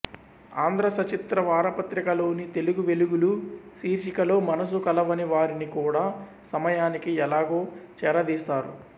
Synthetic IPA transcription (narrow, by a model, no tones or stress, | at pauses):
aːnd̪ʱɾɐsɐt͡ʃit̪ɾɐʋaːɾɐpɐt̪ɾikɐlo̞ːnit̪e̞luɡuʋe̞luɡulusiːɾʃikɐlo̞ːmɐnɐs̬ukɐlɐʋɐniʋaːɾinikuːɽaː | sɐmɐjaːnikiɛlaːɡo̞ːt͡ʃɛːɾɐd̪iːst̪aːɾṵ